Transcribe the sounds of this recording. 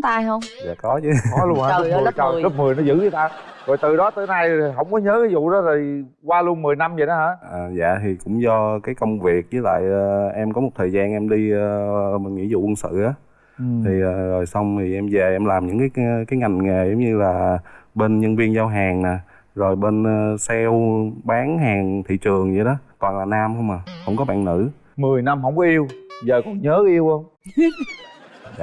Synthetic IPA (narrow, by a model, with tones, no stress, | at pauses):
t̪aː˧jɦə˧wŋ͡mza̰ː˧˨kɔ˨˦t͡ɕɨ˨˦˨lu˧ənha˨˧˦t͡ɕə˨˩zə˦˥p̚mɨ˨˩əjnɔ˨˦zɨ̰˧˥ə˨˧˩t̪aː˧ | zo˨˩jt̪ɨ˨˩ɗɔ˨˦t̪ɨ˧˩na˧jɦə̰˧˥wŋ͡mkɔ˨˦ɲəː˨˦kaː˨˦jzṵ˧˨ɗɔ˨˦zo˨˩j | kwaː˧lu˧ənmɨ˨˩əjna˧mzə˨˩ɗɔ˨˦haː˧˦˥ʔəː˨˩za̰ː˧˨t̪ʰi˨˩kʊ̰˧˥ŋ͡mzɔ˧kaː˨˦jkə˧wŋ͡mvi˨˩ək̚ɲɨ˨˦la̰ː˧˨jʔəː˨˩ʔɛ˧mkɔ˨˦mo˨˩t̚t̪ʰəː˨˩jzaː˧nʔɛ˧mɗi˧ə˧˨mi˨˩ŋḭ˧˥zṵ˧˨kwə˧nsɨ̰˧˨ʔaː˨˦ | t̪ʰi˨˩ʔəː˨˩zo˨˩jsa˧wŋ͡mt̪ʰi˨˩ʔɛ˧mve˨˩ʔɛ˧mlaː˨˩mɲɨ̰˧˥ŋkaː˨˦jkaː˨˦jŋa˨˩jŋ̟ŋe˨˩zə˨˦wŋ͡mɲɨ˧laː˨˩ɓe˧nɲə˧nvi˧ənzaː˧wɦaː˨˩ŋna˨˩ | zo˨˩jɓe˧nː˧sɛ˧wɓaː˨˦ŋhaː˨˩ŋt̪ʰḭ˧˨t͡ɕɨ˨˩əŋzi˨˩ɗɔ˨˦k̪waː˨˩nlaː˨˩naː˧mhə˧wŋ͡mʔaː˨˩hə̰˧˥wŋ͡mkɔ˨˦ɓa̰ː˧˨nnɨ̰˧˥ | mɨ˨˩əjna˧mɦə˧wŋ͡mkɔ˨˧˦ʔi˧əwzəː˨˩kɔ˨˩nɲəː˨˦ʔi˧əwʔə˧wŋ͡m